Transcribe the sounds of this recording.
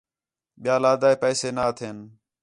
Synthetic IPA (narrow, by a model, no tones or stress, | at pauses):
ɓɪjaːlaːd̪aːeːpɛːseːnaːt̪ʰeːn